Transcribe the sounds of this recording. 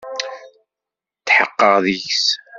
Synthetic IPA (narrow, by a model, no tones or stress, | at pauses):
tːħə̰qːəʁðiçs